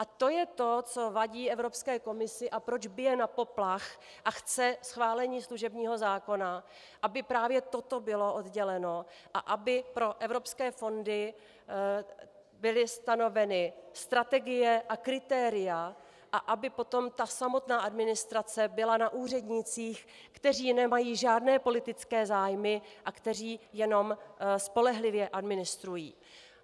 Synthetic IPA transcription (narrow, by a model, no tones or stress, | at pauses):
ʔat̪o̞jɛt̪o̞t͡so̞vaɟiːɛvɾo̞pskɛːko̞mɪsɪʔapɾo̞d͡ʒbɪjɛnapo̞plax | ʔaxt͡sɛsxvaːlɛɲiːsluʒɛbɲiːɦo̞zaːko̞na | ʔabɪpɾaːvjɛt̪o̞t̪o̞bɪlo̞ʔodɟɛlɛno̞ | ʔaʔabɪpɾo̞ʔɛvɾo̞pskɛːfo̞ndɪ | bɪlɪst̪ano̞vɛnɪst̪ɾat̪ɛɡɪjɛʔakɾɪt̪ɛːɾɪja | ʔaʔabɪpo̞t̪o̞mt̪asamo̞t̪naːʔadmɪnɪst̪ɾat͡sɛbɪlanaʔuːr̝ɛdɲɪt͡siːx | kt̪ɛr̝iːnɛmajiːʒaːdnɛːpo̞lɪt̪ɪt͡skɛːzaːjmɪʔakt̪ɛriːjɛno̞mspo̞lɛɦlɪvjɛʔadmɪnɪst̪ɾujḭː